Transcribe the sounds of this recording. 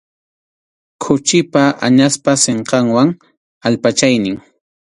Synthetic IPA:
kʰʊt͡ʃɪpaʔa̰ɲaspaseɴqɑŋwaŋ | aʎpat͡ʃajnɪŋ

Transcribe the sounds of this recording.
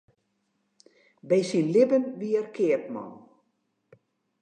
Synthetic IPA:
bɛjsinlɪbənʋiərkʰɪərtmɔ̰lˠ

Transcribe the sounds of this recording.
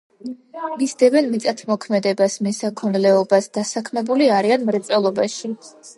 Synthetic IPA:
misd̪ɛbɛnmit̪sʼat̪ʰmɔkʰmɛd̪ɛbasmɛsakʰɔnlɛɔbasd̪̥asakʰmɛbuliaɾianmɾɛt̪sʼɛlˠɔbaʃi

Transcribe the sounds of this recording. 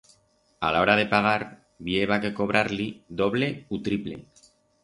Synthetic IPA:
a̰lao̞ɾað̞e̞paɣ̞aɾ | βieβake̞ko̞β̞ɾʔaɾliðo̞βle̞ut̪ɾiple̞̰

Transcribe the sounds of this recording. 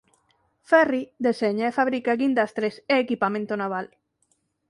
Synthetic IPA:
fɛrid̪eseɲaefaβɾikaɡind̪ast̪ɾeseːkipamẽnt̪onaβ̞al

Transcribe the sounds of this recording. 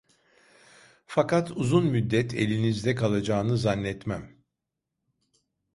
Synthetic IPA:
fakat̪ʰuzunmyd̪ːɛt̪ʰe̞̰lʲinizd̪ɛkalˠad͡ʒaːnɯzanːɛt̪mæm

